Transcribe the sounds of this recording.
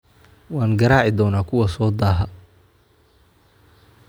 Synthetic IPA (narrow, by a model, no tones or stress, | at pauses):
wɑːŋɡɐɾaːʕɪd̪ɔːnaːkʰʊwɐsɔːd̪aːɦɐ